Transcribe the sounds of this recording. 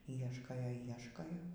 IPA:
ˈiɛʃkoːjoː ˈiɛʃkoːjoː

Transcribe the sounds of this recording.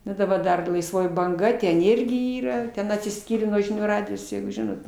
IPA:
ˈnʊ dɐˈbɐr ˈdɐr lˠɐɪsˈʋoːjɪ bɐŋˈɡɐ tʲɛn ˈɪrʲɡʲɪ ˈiːrɐ ˈtʲɛn ɐtʲsʲɪˈsʲkʲiːrʲeː nuɔ ʒʲɪˈnʲuː ˈrɑːdʲɪjoːs jɛɪɡʊ ˈʒʲɪnoːt

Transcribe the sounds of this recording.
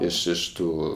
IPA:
ɪʃ ɪʃ ˈtuː

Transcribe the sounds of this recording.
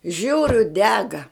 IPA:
ˈʒʲuːrʲʊ ˈdʲæːɡɐ

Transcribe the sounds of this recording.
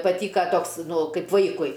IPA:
pɐˈtʲiːkɐ ˈtoːks ˈnʊ ˈkɐɪp ˈʋɐɪkʊɪ

